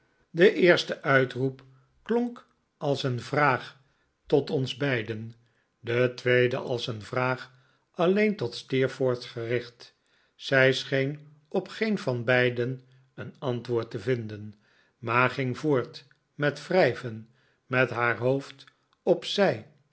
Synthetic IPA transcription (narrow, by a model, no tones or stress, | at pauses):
dəʔɪːɹstəʔœɥtrup | klɔŋk | ɑlˠsənvraːχ | tɔtɔnzbɛjdən | dətʋejdə̰ʔɑ̰lˠsənvraːχ | ʔɑlejntɔtstɪːɹfʊːɹtχərɪχt | sɛjsχejn | ɔpχejnvɑnbɛjdən | ənɑntʋʊːɹtəvɪndən | maːχɪŋvoːɹt | mɛtfrɛjvən | mɛtɦaːɹɦowft | ɔpsɛj